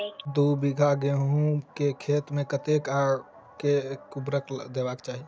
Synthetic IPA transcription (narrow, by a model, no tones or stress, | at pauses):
d̪ubiɡʱaɡeɦũkekʰeːt̪mẽkət̪eka | kekubɾəkd̪ebaːkt͡ʃaːɦi